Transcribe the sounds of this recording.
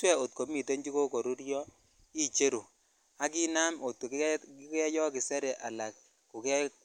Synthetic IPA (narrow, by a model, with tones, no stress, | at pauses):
swɛ˦o˨t̚ko˨mi˨to˦nd͡ʒi˦ko˦ko˨ɾu˦ɾjɔ˦ | i˦t͡ʃe˦ɾo˨ | a˦kɪ˦na˦mo˨to˨˦i˦kɛ˦jɔ˦kɪ˨sɛ˦ɾɛ˨ʔa˨la˨k̚ | ku˨kɛ˦